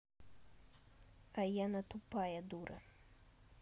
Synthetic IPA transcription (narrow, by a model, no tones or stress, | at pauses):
ɐjanɐt̪upajɛd̪uɾʔɐ̰